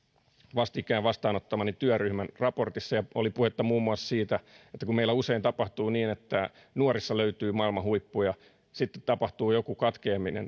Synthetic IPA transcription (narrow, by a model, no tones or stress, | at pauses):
ʋɑst̪ikːˑæːʋʋɑst̪ɑːnot̪ːɑmɑnit̪yœryhmænrɑport̪isːɑjɑolipuhet̪ːɑmuːmːuɑssiːt̪æet̪ːækummeilːˑæuseint̪ɑpɑht̪uːniːnet̪ːæ | nuorisːɑløyt̪yːmɑilmɑhuipːujɑ | sit̪ːe̥t̪t̪ɑpɑht̪uːjokukɑt̪keːminḛn